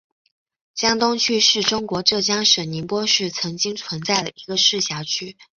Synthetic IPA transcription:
t͡ɕjɑ˥ŋt̪ʊ˥ŋt͡ɕʰy˥ʂɻ̩˥˩ʈ͡ʂʊ˥ŋkwɔ˧˥ʈ͡ʂɤ˥˩t͡ɕjɑ˥ŋʂə˨˩nni˧˥npwɔ˥ʂɻ̩˥˩t͡sʰɤ˧˥ŋt͡ɕi˥ŋt͡sʰwə˧˥nt͡sa˥˩ɪd̪ə˩i˧˥ɡə˧ʂɻ̩˥˩ɕjɑ˧˥t͡ɕʰy˥

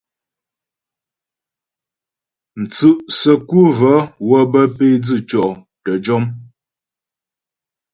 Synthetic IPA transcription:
n̩˨t͡sʉ˦ʔsə˨ku˦və˨˦wə˦bə˦pe˦d͡zɨ˦˨t͡ʃɔ˨ʔ | tə˨d͡ʒɔ˦m

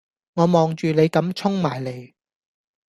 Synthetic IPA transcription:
ŋɔː˨˧mɔː˨ŋt͡ʃyː˨ne˨˧jkɐ˨˥mt͡sʰʊ˥ŋmaː˨˩jle˨˧j

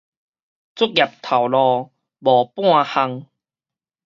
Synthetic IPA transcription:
t͡sʊ˦˥k̚ja˨˩p̚t̪ʰa˨˩wlɔ˧ | bɔ˨˩pw̃ã˥˧ha˧ŋ

